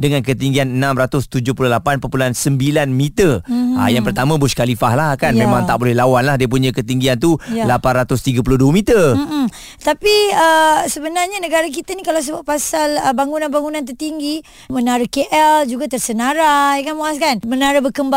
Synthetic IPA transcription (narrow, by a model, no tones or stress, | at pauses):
dəŋankət̪iŋɡianənãmrat̪ʊst̪ud͡ʒʊhpulʊhlapanpəpulansəmbilanmit̪ərə̰jaŋpərt̪amãbuskalifahlahkanmẽmãŋtt̪aʔbolɛhlawanlahdiəp̬uɲə̃kət̪iŋɡiant̪ulapanrat̪ʊst̪iɡapulʊhduəmit̪ərm̩ | t̪apiəsəbənarɲanəɡaɾak̬it̪anikalaws̬əbaʔpasaləbaŋunãnbaŋunãnt̪̬ərt̪iŋɡi | mənaɾəkeʔɛld͡ʒuɡat̪ərsənaɾaekanmoaskanmənaɾabəkəmba